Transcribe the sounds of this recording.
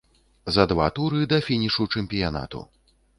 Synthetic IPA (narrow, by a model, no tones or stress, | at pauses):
zɐd̪va̰t̪uɾɨd̪ɐfʲinʲiʂut͡ʂɛmʲpʲijana̰t̪ṵ